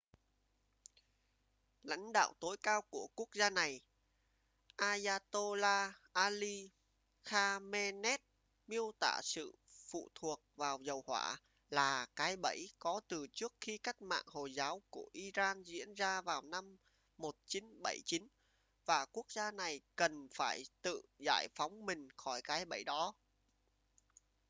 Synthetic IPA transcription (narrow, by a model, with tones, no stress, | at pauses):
la̰˧˥jŋ̟ɗa̰ː˧˨wt̪o˨˦jkaː˧wku˧˩əku˦˥ək̚zaː˧na˨˩j | ʔaː˧zaː˧t̪o˧laː˧ʔaː˧li˧ | xaː˧mɛ˧nɛ˦˥t̚ | mi˧əwt̪a̰ː˧˨sɨ̰˧˨fṵ˧˨t̪ʰu˨˩ək̚vaː˨˩wzə˨˩whwa̰ː˧˩ | laː˨˩kaː˨˦jɓə˧˩jkɔ˨˦t̪ɨ˨˩t͡ɕɨ˦˥ək̚xi˧ka˦˥jk̟̚ma̰ː˧˨ŋho˨˩zaː˨˦wku˧˩əʔi˧zaː˧nzḭ˧˥ənzaː˧vaː˨˩wna˧mː | o˨˩t̚t͡ɕi˨˦nɓə˧˩jt͡ɕi˨˦n | vaː˨˩ku˦˥ək̚zaː˧na˨˩jkə˨˩nfaː˧˩jt̪ɨ̰˧˨za̰ː˧˩jfa˨˦wŋ͡mmï˨˩ŋ̟xɔ˧˩jkaː˨˦jɓə˧˩jɗɔ˨˦